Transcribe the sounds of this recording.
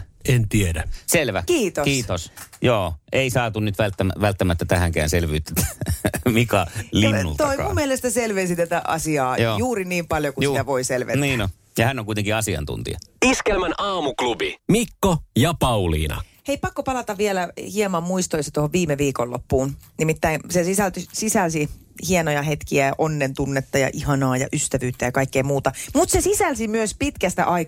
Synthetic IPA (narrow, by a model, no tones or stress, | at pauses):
ent̪iedæselʋæ̰kiːt̪okiːt̪osjoːeisɑːt̪unnyt̪ʋælt̪ːæmæʋælt̪ːæmæt̪ːæt̪æhæŋkæ̰ːnselʋyːt̪ːæt̪æmikɑlinːult̪oɑikɑ̰umielest̪æselʋensit̪æt̪æʔɑ̰siɑːjoːjuːriniːmpɑljokusit̪æʋoiselʋḛniːno | jɑhænːoŋkuit̪eŋkiɑsiɑ̰nt̪ṵnt̪ḭɑ̰iskelmænɑːmuklubimikːojɑpɑulḭːnɑ̰heipɑkːopɑlɑt̪ɑʋʋielæhiemɑmmuist̪oisɑt̪ohoʋʋiːmeʋiːkolːo̰pːuːnnimit̪ːæinsesisælt̪ysisælsi | hienojɑhet̪kiæɑʔonːent̪unːet̪ːɑjɑ̰ʔihɑnɑːjɑ̰ʔyst̪æʋyːt̪ːæjɑkɑikːejmuːt̪ɑmut̪sesisælsimyøspit̪kæst̪æ̰ʔɑi